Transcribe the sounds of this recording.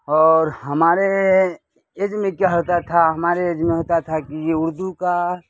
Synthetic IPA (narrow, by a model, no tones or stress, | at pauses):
ɔːɾɦəmaːɾe | ed͡ʒmẽkjaɦoːt̪at̪ʰaɦɐmaːɾeed͡ʒmẽɦoːt̪at̪ʰakijeʊɾd̪uka